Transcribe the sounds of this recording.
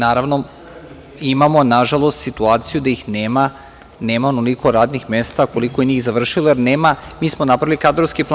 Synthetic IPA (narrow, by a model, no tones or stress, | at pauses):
naːɾaʋno | imamo̞naʒalˠost̪sit̪uaːt̪sijud̪ajixneːma | neːmaonoliko̞ɾaːd̪nixmest̪ako̞likojeniːxzaʋr̩ʃilˠojeɾneːmamiːsmonapɾaʋilikad̪ɾoʋskiplˠ